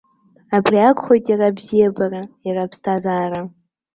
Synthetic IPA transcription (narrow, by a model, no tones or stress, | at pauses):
abriakʷʰʼχʷojtʼjarabzijabarajarapʰstʰazaːra